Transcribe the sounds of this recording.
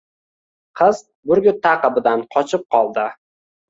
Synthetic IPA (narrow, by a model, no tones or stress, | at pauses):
qʰɨz | bʊɾɡʲʊt̪ʰːaqɨbɪd̪anqʰɒt͡ʃʰɪp̚qʰɒlˠd̪ɪ